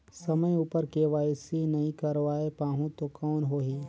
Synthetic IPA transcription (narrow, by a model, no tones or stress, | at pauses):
sɐməjuːpəɾkeʋaːjsinɐɦĩkɐɾʋaːepaːɦũt̪okɔːnɦoːɦiː